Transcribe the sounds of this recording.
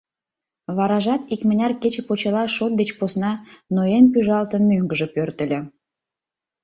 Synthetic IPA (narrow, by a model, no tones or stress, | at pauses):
βɑɾɑʒɑt̪ikmənʲɑrket͡ɕĕpot͡ɕelɑʃot̪̚d̪et͡ɕposnɑnoenpyʒɑlt̪ənmøŋɡəʒə̆pørt̪ə̆lʲĕ